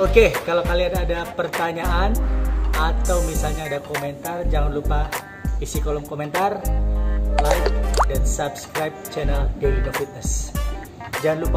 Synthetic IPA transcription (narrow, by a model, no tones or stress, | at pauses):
okekalawkaliadadapərt̪aɲaʔanat̪awmisalɲaːdakoment̪ard͡ʒaŋanlupa | isikolɔmkoment̪ar | lajkdansapskɾajp̚t͡ʃɛnɛlɡewinofit̪̚nəs | d͡ʒaŋanlupa